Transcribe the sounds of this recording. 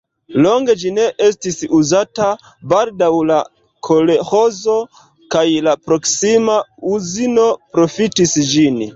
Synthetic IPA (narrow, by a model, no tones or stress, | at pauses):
lo̞ŋɡe̞d͡ʒine̞ʔe̞s̬tisuzata | baldawla | kʰo̞leho̞zo̞ | kajlapɾo̞ksimauzino̞pɾo̞fitisd͡ʒin